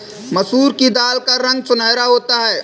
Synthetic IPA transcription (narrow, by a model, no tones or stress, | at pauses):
məsuːɾkid̪aːlkaɾə̃ŋɡsʊnəːɾaɦoːt̪aɦɛː